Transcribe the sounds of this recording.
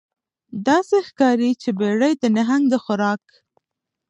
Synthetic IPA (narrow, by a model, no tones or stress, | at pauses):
d̪ɑsexkɑɾit͡ʃebeɽəjd̪ənaɦaŋɡd̪əxʊɾɑk